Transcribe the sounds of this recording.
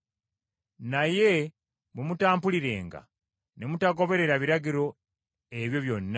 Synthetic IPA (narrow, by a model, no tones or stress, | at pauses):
naje̞ | mumutaːmpuliɾe̞̰ːŋɡa̰ | nemutako̞βe̞ɾe̞ɾaβiɾaɟiɾo̞ | e̞βjo̞βjo̞nːa